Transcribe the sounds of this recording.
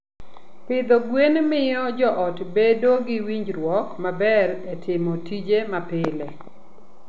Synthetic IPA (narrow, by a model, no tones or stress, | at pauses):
pɪd̪ɔɡwenmɪjɔd͡ʒɔʔɔtbedoɡɪwiɲd͡ʒɾwɔkmabɛɾetʰɪmɔtid͡ʒemapɪlɛ